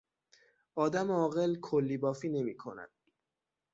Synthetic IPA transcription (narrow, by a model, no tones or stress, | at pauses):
ɒːd̪æmɒːɣelkʰolːiːbɒːfiːne̞miːkʰo̞̰næ̰d̪̥